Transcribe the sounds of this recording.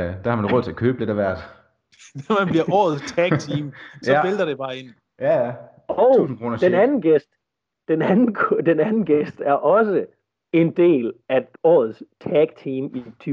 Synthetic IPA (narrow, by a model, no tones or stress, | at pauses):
d̥æhɑmænʁɔð̰ˠt͡sʰe̝ɐkʰø̰ːb̥əle̝ɾɐʋæɐ̰d̥ | nɒmænbliɐʔɒ̰ːð̞̩ˠst͡sʰæɡt͡sʰiːmsɒmeld̥ɐɾ̥eb̥ɑ̈ːen | jææ | ɒʊsn̩kʰʁoːnd̥enænn̩ɡ̥esd̥ | d̥enænn̩kʰd̥enænn̩ɡ̥esd̥æɐʔɒ̽sə | e̝nd̥e̝̰ːlæɒ̰ːð̞̩ˠst͡sʰæɡ̥̚t͡sʰiːmit͡sʰy